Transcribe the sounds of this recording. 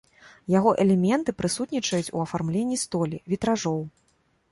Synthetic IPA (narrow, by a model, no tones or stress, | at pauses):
jaɣɔʔɛlʲɛmʲɛnt̪ɨpɾɨsut̪nʲit͡ʂɐjut͡sʲuɐfarmlʲenʲːist̪ɔlʲivʲit̪ɾaʐɔw